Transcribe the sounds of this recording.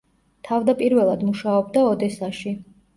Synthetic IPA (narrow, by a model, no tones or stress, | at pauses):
t̪ʰavd̪apʼiɾvɛlˠad̪muʃaɔbd̪aɔd̪ɛsaʃi